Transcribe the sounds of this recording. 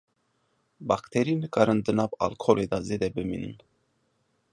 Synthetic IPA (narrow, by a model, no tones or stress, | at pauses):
bakt̪ʰɛɾinɨkʼaɾɨnd̪ɨnaba̰lkʰɔlʔɛd̪azɛd̪ɛbɨmḭnɨ̰n